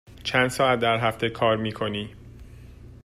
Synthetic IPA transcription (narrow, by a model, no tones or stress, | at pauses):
t͡ʃʰænd̪sɒːæt̪̚d̪æɾɦæft̪e̞kʰɒːɾmiːkʰo̞niː